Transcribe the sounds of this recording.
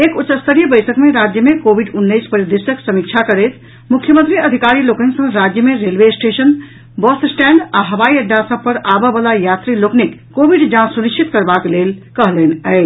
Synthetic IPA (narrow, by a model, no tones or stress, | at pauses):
ekut͡ʃəst̪əɾijəbəjsəkmeɾad͡ʒjəmekobiɖunːəɪspəɾjəd̪isəksəmikt͡ʃʰakəɾet̪ | mukʰjəmənt̪ɾiəd̪ʱikaɾiloːkə̃ŋksə̃ŋɾad͡ʒjəmẽɾelʋesʈeʃən | bɔst̪sʈɛɳɖaɦɐʋaiəɖːasəb̚ʱpəɾabəbəlajat̪ɾiloknikkːobiɖd͡ʒãsunikt͡ʃʰit̪kəɾbaklelkəɦlenɛ